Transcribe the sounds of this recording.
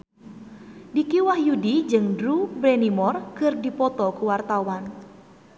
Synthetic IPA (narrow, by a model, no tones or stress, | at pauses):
dikiwahjudid͡ʒɨŋdɾubɾenimɔrkɨrdipɔt̪ɔkuwart̪awan